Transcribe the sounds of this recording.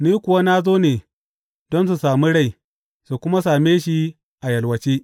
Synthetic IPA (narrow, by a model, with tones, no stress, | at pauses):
niː˦kʷʊ˨wa˦na˦zoː˦neː˨ | dɔ˦ns̬u˨saː˨mi˦ɽa˦˨j | su˨kʷʊ˦ma˦saː˨meː˦ʃi˦ | ʔa˨jɐ˨lwɐ˨t͡ʃeː˦